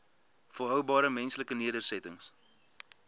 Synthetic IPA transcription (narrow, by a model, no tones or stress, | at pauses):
fəlɦœwbɑːɾəmɛnsləkəniədərsɛtəŋs